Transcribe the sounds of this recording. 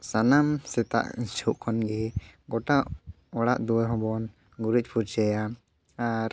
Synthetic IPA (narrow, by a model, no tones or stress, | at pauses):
sanamsɛt̪a̰ʔiɲsɔʔkʰɔnɡɛɡɔʈaʔ | ɔɽaʔd̪uwɛɦɔ̃bɔn | ɡuɾic̚ˀpʰuɾd͡ʒɛja | aɾ